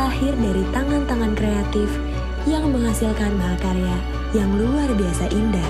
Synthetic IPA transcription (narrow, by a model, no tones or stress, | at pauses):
ahɪrdaɾit̪aŋant̪aŋankɾeat̪ɪf | jaŋməŋɦasilkanmaɦakaɾea | jaŋluarbiasaʔindah